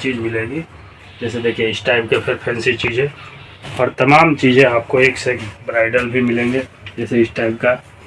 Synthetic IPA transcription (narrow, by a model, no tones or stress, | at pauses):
t͡ʃiːd͡ʒmɪlẽːŋɡi | d͡ʒɛːsed̪eːkʰieɪsʈaːɪb̚kepʰɪɾpʰɛ̃ːnsit͡ʃiːd͡ʒɦɛ̃ | ɔːɾt̪ɐmaːmt͡ʃiːd͡ʒẽaːp̚koeːksekbɾaːɪɖəlbʱimɪlẽːŋɡe | d͡ʒɛːseɪsʈaːɪbka